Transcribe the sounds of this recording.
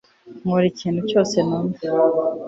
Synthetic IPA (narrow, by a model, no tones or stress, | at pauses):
ŋoɾiciːnhuco̞ːsenama